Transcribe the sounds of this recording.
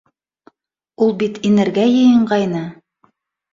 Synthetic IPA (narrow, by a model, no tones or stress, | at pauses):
ulˠbit̪inɘ̆ɾɡæjɤ̆jɤ̆ɴɢɑjnɤ